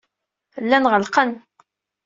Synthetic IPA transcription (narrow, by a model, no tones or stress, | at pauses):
lːænʁəlqən